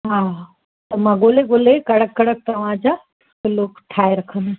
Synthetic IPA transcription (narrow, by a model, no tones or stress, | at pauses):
ɦaː | t̪ɐmãɡoːleɡoːlekɐɽəkːɐɽək̚t̪ɐʋ̤ãd͡ʑaː | oloːkʈʰaːeɾɐkʰəna